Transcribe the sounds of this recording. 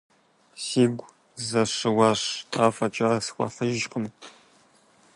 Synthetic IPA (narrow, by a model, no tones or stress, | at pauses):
siːɡʷ | zɐʂɨwɑːɕtʰaːfɐt͡ʃʼɐrsxʷɐ̰ɬɨʒʒqəm